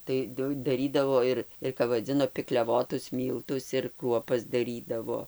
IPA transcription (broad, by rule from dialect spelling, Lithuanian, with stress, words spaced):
tɐɪ ˈdʊ dɐˈrʲiːdɐʋoː ɪr ɪr kɐp ʋɐˈd͡zʲɪnoː pʲɪklʲɛˈʋoːtʊs ˈmʲiːlˠtʊs ɪr ˈkruɔpɐs dɐˈrʲiːdɐʋoː